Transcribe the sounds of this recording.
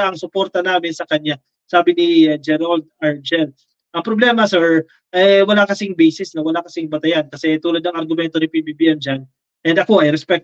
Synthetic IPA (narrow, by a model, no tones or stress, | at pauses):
aʔɐŋsʊpo̞ɾt̪ɐnaːmɪnsɐkɐɲa | saːbɪnid͡ʒɛɾɐld̪̚ɐɹd͡ʒɛl | ʔɐŋpɾoblɛːmɐsɛɹ | ʔɐjwɐlakɐsɪŋbɛjsɪsnɐwɐlakɐsɪŋbɐt̪ɐjankɐsɛt̪uːlɐd̪nɐŋɐɾɡʊmɛnt̪onɪpibibiʔɛmd͡ʒan | ʔɛnd̪ɐko̞ʔɐjɾɛspɛk̪̚